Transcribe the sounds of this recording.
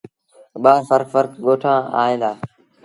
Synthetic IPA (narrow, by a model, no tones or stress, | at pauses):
ɓaːsəɾfəɾkɠoːʈʰãːa̰ːẽːd̪aː